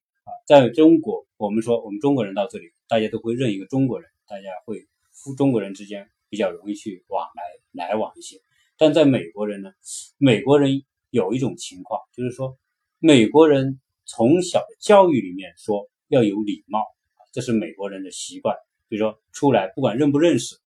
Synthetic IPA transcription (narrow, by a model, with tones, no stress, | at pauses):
ɐ˧t͡sa˥˩ɪʈ͡ʂʊ˥ŋkwɔ˧˥wɔ˨˩mə˦nʂwɔ˥wɔ˨˩mə˦nʈ͡ʂʊ˥ŋkwɔ˧˥ɻə˧˥nt̪ɑ˥˧ʊʈ͡ʂɤ˥˩li˨˩t̪a˥˩t͡ɕja˥t̪o˥ʊxwe˥˧ɪɻə˥˩ni˧˥ɡə˧ʈ͡ʂʊ˥ŋkwɔ˧˥ɻə˧˥nt̪a˥˩t͡ɕja˥xwe˥˩ɪ | fu˥ʈ͡ʂʊ˥ŋkwɔ˧˥ɻə˧˥nʈ͡ʂɻ̩˥t͡ɕjɛ˥n | pi˨˩t͡ɕjɑ˥˩ʊɻʊ˧˥ŋi˥˧t͡ɕʰy˥˩wɑ̰˨˩ŋla˧˥ɪla˧˥ɪwɑ˨˩ŋi˥˩ɕjɛ˥ | t̪a˥˧nt͡sa˥˩ɪme˨˩ɪkwɔ˧˥ɻə˧˥nnə˧me˨˩ɪkwɔ˧˥ɻə˧˥n | jo˨˩ʊi˥˩ʈ͡ʂʊ˨˩ŋt͡ɕʰi˧˥ŋkʰwɑ̰˥˩ŋt͡ɕjo˥˧ʊʂɻ̩˥˩ʂwɔ˥ | me˨˩ɪkwɔ˧˥ɻə˧˥n | t͡sʰʊ˧˥ŋɕjɑ˨˩ʊd̪ə˦t͡ɕjɑ˥˧ʊy˥˩li˨˩mjɛ˥˩nʂwɔ˥ | jɑ˥˩ʊjo˧˥ʊli˨˩mɑ˥˩ʊ | ɐ˨ʈ͡ʂɤ˥˧ʂɻ̩˥˩me˨˩ɪkwɔ˧˥ɻə˧˥nd̪ə˧ɕi˧˥kwa˥˩n | i˨˩u˦˥ʂwɔ˥ʈ͡ʂʰu˥la˧˥ɪpu˥˩kwa˨˩nɻə˥˩npu˧˥ɻə˥˩nʂɻ̩˨˩